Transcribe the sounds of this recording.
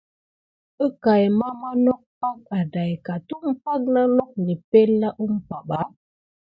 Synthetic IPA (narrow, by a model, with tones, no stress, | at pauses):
ə˦ka˨jma˦ma˦nɔ˦k̚pa˦k̚a˨da˨jka˨tu˦ʔm̩˦pa˦k̚na˦lɔ˦k̚ni˨pe˦lːa˦ʔu˦m̩˦pa˨ba˨˦